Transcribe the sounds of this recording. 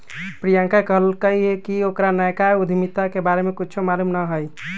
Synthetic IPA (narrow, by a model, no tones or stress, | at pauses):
pɾijãŋkakəɦəlkəɦiɦekiokɾanəjkaud̪ʱimit̪ːakebaɾemekut͡ʃʰomalumnəɦəj